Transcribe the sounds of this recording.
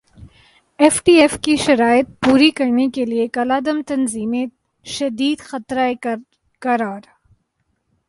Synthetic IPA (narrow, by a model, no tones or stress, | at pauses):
eːfʈiːeːfkiʃɐɾaːjɪt̪̚puːɾikɐɾnekeliekɐlaːd̪ɐmt̪ɐnziːmẽ | ʃɐd̪iːd̪xɐt̪ɾae | kɐɾaːɾ